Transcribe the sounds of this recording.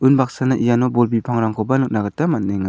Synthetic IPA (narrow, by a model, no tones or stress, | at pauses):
ɯnbak̚sanaʔijanɔbɔlbipʰaŋɾaŋkʰɔbanɯk̚naɡɯtamat̚neŋa